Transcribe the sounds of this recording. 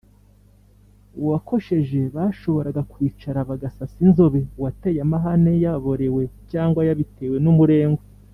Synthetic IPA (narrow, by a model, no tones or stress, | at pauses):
uwakʰo̞ʃe̞ʒe̞βaːʃo̞βo̞ɾaɡakwiːt͡ʃaɾaβaɡasasinzo̞βewate̞jamaɦane̞jaβo̞ɾe̞we̞caːŋɡwajaβite̞ːwe̞numuɾe̞ːŋɡwe